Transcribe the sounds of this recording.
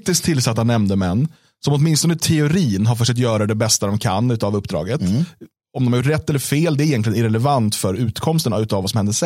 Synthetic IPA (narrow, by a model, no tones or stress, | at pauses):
t̪ɪsk̚t̪ʰɪlːsat̪ːanːɛmd̪əmɛnː | sɔmɔt̪mɪnst̪ɔnt̪ʰɛʊɾiːnɦaɾfœtʂɛk̚t̪̬jœːɾad̪ɛbɛst̪ad̪ɔmkʰa̰nːʉ̟ːt̪avɵpːd̪ɾɑ̰ːɡət̪ | ɔmd̪ɔmaɾjʊʈ̬ːɾɛt̪ːɛlːəfeːld̪ɛɾjɛnk̪lɪɡənɾɛlɛvant̪fœɾʉ̟ːt̪kʰɔmst̪ənaʉ̟ːt̪avasɔmhɛnd̪əʂɛ